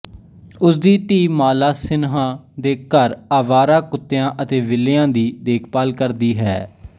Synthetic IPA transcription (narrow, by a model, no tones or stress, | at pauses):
ʊsd̪iːʈ̪iːmaːlaːsɪnɦãːd̪eːkəɾaːʋaːɾaːkʊt̪ːejãːʔət̪eːʋɪlɪjãːd̪iːd̪eːkʰpaːlkəɾd̪iːɦɛ̰ː